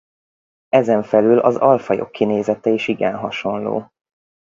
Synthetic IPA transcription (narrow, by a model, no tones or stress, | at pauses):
ɛzɛɱfɛlylɒ̰zɒlfɒjo̞̰kʰːineːzɛt̪ɛiʃiɡɛnɦɒʃo̞nlo̰ː